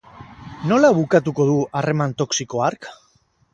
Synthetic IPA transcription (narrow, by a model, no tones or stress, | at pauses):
no̞laβukat̪̬uko̞ð̞uare̞mant̪o̞ksiko̞aɾk